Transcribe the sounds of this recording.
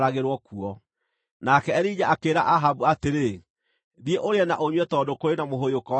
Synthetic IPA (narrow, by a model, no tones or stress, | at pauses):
ɾaɣeɾwɔkuɔ | nakɛɛɾiɲaʔakeːɾaʔaɦabuateɾe | ðieʔoɾeɛnaʔoɲwɛtɔːdokoɾenamoɦojokɔ